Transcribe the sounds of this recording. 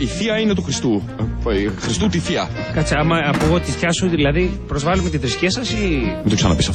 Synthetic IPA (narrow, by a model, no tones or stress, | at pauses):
iθiɐinet̪uxɾist̪u | xɾist̪ut̪iθiɐ | kɐt͡siɐmɐɐpoɣo̞t̪isçɐsuðilɐðipɾo̞zvɐlemet̪iðɾiscesɐsimet̪oksɐnɐ̰pisɐf